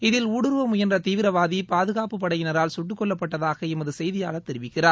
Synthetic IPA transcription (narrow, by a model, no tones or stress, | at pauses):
ɪðɪluːɽɯɾʋɐmʊjɐndrɐt̪iːʋɪɾɐʋaːðipaːðɯɣaːpɯpːɐɽɐjɪnɐɾaːlsʊʈːɯkːɔɭːɐpːɐʈːɐðaːɣɐɪmɐðɯsɛjðɪjaːlɐt̪ːɛɾɪʋɪkːɪraːɾ